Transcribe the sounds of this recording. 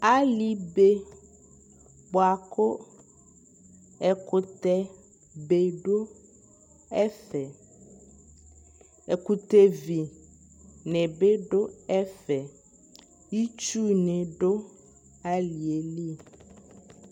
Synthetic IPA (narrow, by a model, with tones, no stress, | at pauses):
a˦li˨be˦ | bo˨a˨ko˦ | ɛ˨ko˨t̪ɛ˦ | be˨ɖo˦ | ɛ˦fɛ˨ | e˨ku˨t̪e˦vi˨ | nɛ̃˨be˦ɖo˦ɛ˦fɛ˨ | ji˦t͡ʃu˦nɛ̃˨ɖo˦ | a˦li˨e˨li˦